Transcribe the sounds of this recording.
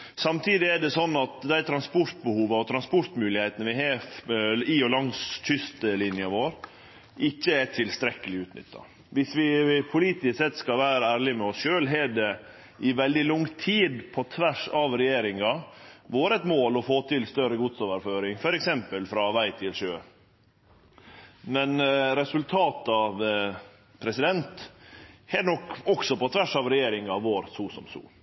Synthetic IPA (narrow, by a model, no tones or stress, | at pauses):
sɑmt̪ʰiːd̪ɪɛɖɛsɔnːɑt̪d̪æɪt̪ʰɾɑnspʊɾt̪̚bəhuːʋəɔt̪ʰɾɑnspɔɾt̪mʉːlɪhɛɪt̪ənəʋɪɦeː | iɔlɑŋsʰʏst̪əlɪnjɑʋoːɾ | ɪçːəæʈ̪ʰɪlst̪ɾɛkːəlɪʉːt̪nʏ̰t̪ːɑ̰ | ʋɪsʋɪpʰʊliːt̪ɪssɛt̪ːskɑlʋæːɾəæːɾɭɪmɛɔsʃøːlɦɛd̪ɛ | ʔɪʋɛld̪ɪlʊŋt̪ʰiːd̪pʰɔt̪ʰʋæʂɑʋɾɛjeːɾɪŋɑ | ʋoːɾɛt̪moːlɔfoːt̪ʰɪlst̪œɾəɡʊt̪soːʋəɾføːɾɪŋfɔɾɛksɛmpəlfɾɑʋæɪt̪ʰɪlʂøː | mɛnɾɛsʉlt̪ʰɑːt̪ɑʋ | pʰɾɛsɪd̪ɛnt̪ | hɛnɔkːɔksɔpɔt̪ʰʋæʂɑʋɾɛjeːɾɪŋɑʋoːɾsuːsɔ̰msṵː